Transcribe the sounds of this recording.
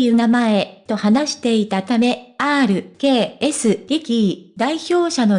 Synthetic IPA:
jɯ̟namae̞t̪o̞hanaɕi̥t̪e̞it̪at̪ame̞aːɾɯ̟ke̞ːesɨɡʲikʲid̪aiçʲo̞ːɕano̞

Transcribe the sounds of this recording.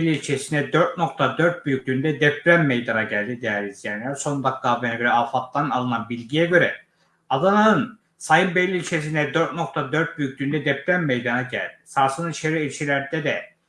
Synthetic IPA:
lʲːilʲt͡ʃʰesind̪ɛd̪ø̞ɾt̪̚no̞k̚t̪ʰad̪øɾt̪̚byjyc̚ʲlʲyːnd̪ɛd̪ɛpɾæmːejd̪anaɟælʲd̪id̪ejæɾizjænlæɾso̞nd̪akːaːvenɛøɾɛafat̪ːanalˠɯnabilʲɟijɛɟø̞ɾɛ | ad̪anaɯn | sajɯnbɛlʲːiilʲt͡ʃʰes̬ind̪ɛd̪øɾt̪̚no̞k̚t̪ʰad̪øɾt̪̚byjykc̚ʲlyːnd̪ɛd̪ɛpɾæmːejd̪anaɟæ̰lʲd̪̥i̥saɾsɯniʃeɾiilʲʃilʲæɾd̪ɛd̪ɛ

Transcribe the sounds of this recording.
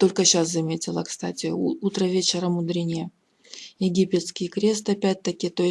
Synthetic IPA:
t̪o̞lʲkəɕaszɐmʲetʲɪlˠəkst̪atʲɪut̪ɾəvʲet͡ɕɪɾəmʊd̪ɾʲinʲɪjə | jɪɡʲipʲɪt̪skʲɪjkɾʲe̞st̪ɨɐpʲæt̚ʲt̪əkʲɪt̪o̞

